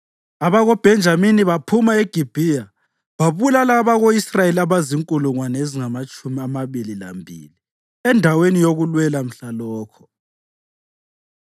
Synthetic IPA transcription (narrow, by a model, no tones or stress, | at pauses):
aβaɣɔb̥ʱɛnd͡ʒʱaminiβapʰumaeɡ̥ʱib̥ʱija | βaβulalaβaɣoisrajeliaβaziŋkʼuluŋwaneziŋamat͡ʃʼumiamaβilila̰mbʱḭːli | ɛndʱawenijoɣulwɛlam̩ɬalɔːkʰɔ̥